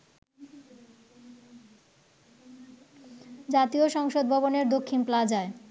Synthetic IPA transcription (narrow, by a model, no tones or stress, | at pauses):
d͡ʑat̪ioʃɔŋʃod̪̚bʱɔboneɾd̪okʰːinplad͡ʑae